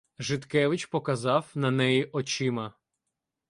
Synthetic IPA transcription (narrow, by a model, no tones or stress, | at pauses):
ʒɪt̪kɛʋɪt͡ʃʲpɔkɐzɑwnɐnɛjiʔɔt͡ʃɪmɐ